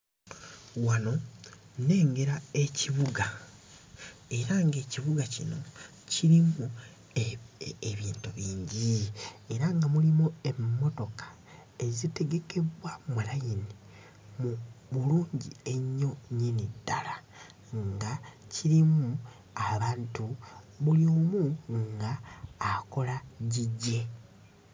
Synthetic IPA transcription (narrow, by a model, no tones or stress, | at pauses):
wano̞ | ne̞ːŋɡe̞ɾae̞ciβuɡa | e̞ɾaŋɡe̞ːciβuɡacino̞ | ciɾimu | eβiːntuβiːɲɟie̞ɾaŋɡamulimue̞mːo̞to̞kḁ | e̞zite̞ɡe̞ke̞βwamulajini | muβuluːɲɟie̞ɲːo̞ɲinidːala | ŋɡaciɾimu | aβaːntu | βuliomuŋɡaː | ko̞laɟiɟːe̞